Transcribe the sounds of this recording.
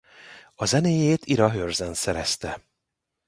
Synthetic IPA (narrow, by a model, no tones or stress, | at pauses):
ɒzɛneːjeːt̪ʰiɾɒɦørzɛnsɛɾɛst̪ɛ